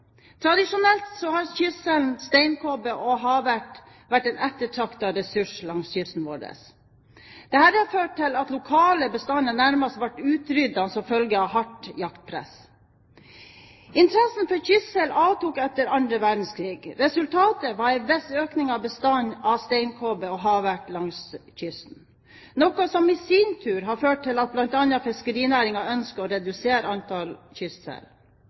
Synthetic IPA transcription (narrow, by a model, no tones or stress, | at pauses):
t̪ʰɾɑd̪ɪʂʊnɛlt̪sɔhɑɾçʏsːɛln̩st̪ɛɪnkʰobəʔɔɦɑʋæʈ | ʋæʈːɛnɛt̪ːəʈʰɑkt̪ɑɾɛsʉʂlɑŋsçʏsn̩ʋoːɖə̰s | d̪̥ɛhæːɾɑføːʈʰːɪlɑt̪lʊkʰɑːləbəst̪ɑnənæɾmɑst̪ʋɑʈːʉːt̪ɾʏd̪ɑsɔfœlɡəɑhɑʈjɑkt̪̚pʰɾɛ̰s | ɪnt̪ʰɾɛsn̩fɔɾçʏst̪sɛlɑːʋt̪uːkɛt̪ːəɾɑnd̪ɾəʋæɖn̩skʰɾiːɡɾɛsʉlt̪ʰɑːt̪əʋɑæʋɛsøːknɪŋɑbəst̪ɑnɑst̪ɛɪnkʰoːbeɔɦɑʋæʈlɑŋsçʏsn̩ | nɔkʊsɔmisiːnt̪ʰʉːɾɦɑɾføːʈ̚ʈʰːɪlɑt̪̚blɑnt̪ɑnːəɑfɪskəɾiːnæɾɪŋɑœnskəɔɾɛd̪ʉseːɾəɑnt̪ʰɑlçʏssɛ̰l